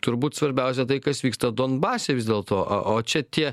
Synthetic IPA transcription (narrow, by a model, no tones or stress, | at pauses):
t̪ʊɾbuːt̪sʋɐɾʲbʲɛˑʊsʲɛt̪ɐɪkɐsʋʲiːkst̪ɐd̪oːnbɑːsʲeʋʲɪzd̪ʲeːlˠt̪oːʔɐ̰ʔoːt͡ʃʲɛt̪ʲiɛ